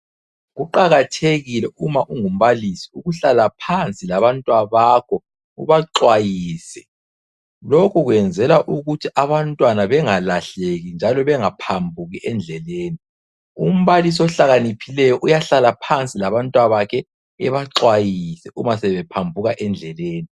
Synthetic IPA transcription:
ɣuǃaɣatʰeɣilɛumaʔuŋum̩βalisiuɣuɬalapʰant͡sʼilaβantʼwaβakʰɔ | ṵβaǁwajiːsɛ | lokʰuɣwɛnd͡zʱɛlaʔuɣutʰiʔaβantʼwanaβɛŋalaɬeɣind͡ʒʱalɔβɛŋapʰambʱuɣiɛnd͡ɮʱɛleːni | um̩βalis̬iɔɬaɣanipʰilɛjɔʔujaɬalapʰant͡sʼilaβantʼwaβakʰɛ | ɛβaǁwajisɛʔumasɛβɛpʰambʱuɣaʔɛnd͡ɮʱɛleːni

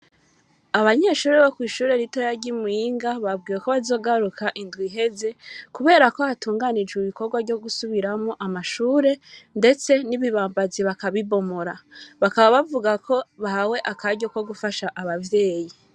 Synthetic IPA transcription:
aβaɲe̞ːʃuːɾeβokwiːʃuːɾe̞ɾito̞jaɾɟimuiːŋɡaβab̚ɡiːjeko̞βazo̞ːɡaɾukʰaʔindɡwiɦe̞ze̞kuβe̞ːɾako̞hatuːŋɡanid͡ʒwiβiko̞ɾɡwavɟo̞ɡusuβiɾamoʔamaʃuːɾe̞nde̞t͡se̞niβiβaːmbaziβakaβiβo̞mo̞ɾaβakaβaβavuɡako̞βahaweʔakaɟo̞ko̞ɡufaʃaʔaβavje̞ːji

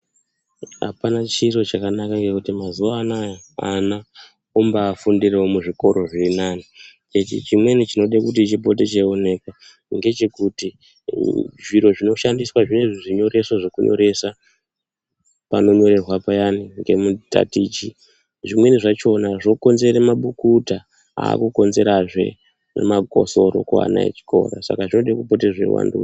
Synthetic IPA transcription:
a̰panat͡ʃiro̞t͡ʃakanakaŋɡekutimazuʋanaja | ana | ombaːfundireomuʐiko̞ɾo̞ʐirinanit͡ʃet͡ʃḭt͡ʃimwe̞nit͡ʃino̞ɗekut̬it͡ʃipo̞t̬et͡ʃeone̞kwa | ŋɡe̞t͡ʃe̞kuti | ʐiɾo̞ʐino̞ʃandiswaʐine̞ʐiʐiɲo̞ɾe̞swaʐo̞kṵɲo̰ɾe̞sa | pano̞ɲo̞ɾe̞rwapajaniŋɡe̞muta̰tiːt͡ʃi | ʐimwe̞niʐat͡ʃo̞naʐo̞ko̞nze̞ɾemaɓukuta | a̰ːkuko̞nze̞ɾaʐwe̞̰ | nḛmako̞̰so̞ɾo̞̰kua̰na̰ḛt͡ʃi̥ko̞̰rosa̰kaʐino̞ɗekupo̞teʐe̞̰wa̰ndu

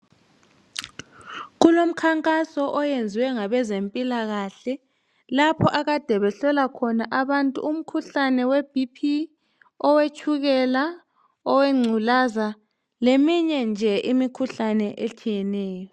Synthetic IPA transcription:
ɣulom̩kʰaŋkʼasɔʔɔjend͡zʱiwɛŋaβɛzempʼilaɣaɬɛ | lapʰɔʔaɣad̥ʱɛβɛɬɔlakʰɔnaʔaβantʼṵum̩kʰuɬanɛweb̥ʱipʰi | ɔwet͡ʃʼʰuɣɛla | ɔweŋ͡ǀʱulaza | lemiɲɛnd͡ʒʱɛʔimikʰuɬanɛʔet͡ʃʰijɛnɛːjɔ

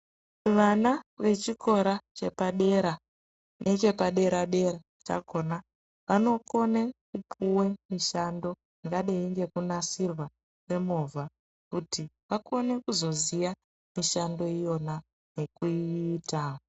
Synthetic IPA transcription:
ʋanaʋe̞t͡ʃikʰo̞ɾat͡ʃe̞paɗe̞ɾa | net͡ʃe̞paɗe̞ɾaɗe̞ɾa | t͡ʃa̰kʰo̞na | ʋano̞ko̞nekupʰuwe̞miʃando̞ | iŋɡaɗeiŋɡe̞kunasirwa | we̞movʱa | kutʰiʋako̞ne̞kuzo̞zija | miʃando̞ijo̞na | ne̞kuiːta

